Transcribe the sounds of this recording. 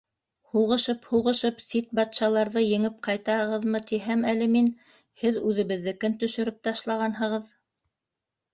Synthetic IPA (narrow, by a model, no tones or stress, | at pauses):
huʁɤ̆ʃɤphuʁɤ̆ʃɤpsit̪̚bɑt̪ʃɑlˠɑɾðɤjɘ̆ŋɘp̚qɑjt̪ɑhɤ̆ʁɤðmɤt̪iɦæmælɘ̆min | hɘðʉðɘ̆βɘ̆ðːɘkɘnt̪ɵ̆ʃɵ̆ɾɘp̚t̪ɑʃlˠɑʁɑnɦɤ̆ʁɤð